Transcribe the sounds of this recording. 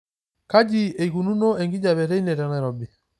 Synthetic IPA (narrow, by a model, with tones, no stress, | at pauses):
ka˦d͡ʒi˦e˨i˨ɣu˨nu˦no˦e˨ŋɡi˦d͡ʒa˨βɛ˨ɾe˦i˦ne˨ɾɛ˨ɾɛ˨ɾɔ˨bi˨